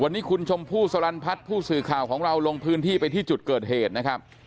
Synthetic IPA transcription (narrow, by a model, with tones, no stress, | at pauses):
wa˧nːiː˦˥kʰu˧nt͡ɕʰo˧mpʰuː˥˩sa˧ɾa˧npʰa˦˥t̪̚pʰuː˥˩sɯː˨˩kʰaː˨˩wkʰɔː˩˦ŋɾa˧wlo˧ŋpʰɯː˦˥nt̪ʰiː˥˩pa˧jt̪ʰiː˥˩t͡ɕu˨˩t̪̚kɤː˨˩t̪̚ɦeː˨˩t̪̚na˦˥kʰɾa˦˥p̚